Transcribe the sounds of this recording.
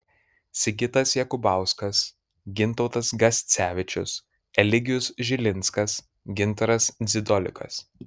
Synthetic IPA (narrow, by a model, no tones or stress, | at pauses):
sʲɪɡʲɪt̪ɐsjɛkʊbɑˑʊskɐs | ɡʲɪnt̪ɔʊt̪ɐsɡɐsʲt̪sʲæːʋʲɪt͡ʃʲʊs | ɛlʲɪɡʲɪjʊsʒʲɪlʲɪnˑt̪skɐs | ɡʲɪnt̪ɐɾɐsd̪zʲɪd̪ɔlʲɪ̰kɐ̰s